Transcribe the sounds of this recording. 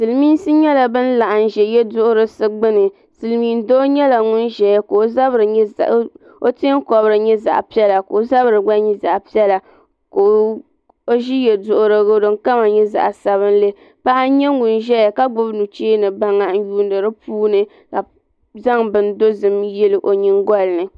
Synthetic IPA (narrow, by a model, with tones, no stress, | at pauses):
sɨ˨lmi˦n˦sɨ˦ɲɛ˦la˨bɨ˦n̩˦la˨ʔa˨n̩˨ʒɛ˨jɛ˦dʊ˦ʔʊ˦ɾɨ˦sɨ˦ɡ͡bɨ˦nɨ˨ | sɨ˨lmiː˦n˦do˦ɲɛ˦la˨ŋʊ˦nʒɛ˨ja˦ko˨˦za˦bɾɨ˨ɲ˦ | o˦te˦ŋ˦kɔ˨bɾɨ˨ɲɛ˦za̰˨ʔpi˦ɛ˦la˨ko˨˦za˦bɾɨ˨ɡ͡ba˦ɲi˦za˨ʔpi˦ɛ˦la˨ | ko˨ | o˦ʒi˦jɛ˨dʊ˨ʔʊ˨ɾɨ˦ɡɨ˦dɨ˨ŋ˦ka˦ma˨ɲɛ˦za̰˨ʔsa˨βɨ˦n˦le˦ | pa˦ʔa˦ɲɛ˦ŋʊ˨nʒɛ˦ja˨ka˦ɡ͡bʊ˦bnu˨t͡ʃeː˦nɨ˨ba˦ŋːa˦ʔn̩˦juː˦ndɨ˨ɾɨ˦puː˦nɨ˦ | ka˨ | za˦ŋbɨ˨n˦do˦zɨ˨mjɛ˦lɨ˨ʔo˨ɲi˦ŋɡɔ˦lɨ˨nɨ˨